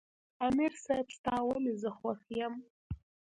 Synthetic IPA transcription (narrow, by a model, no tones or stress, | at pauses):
amirsajpʰstʰaːwamizɨχwaxjam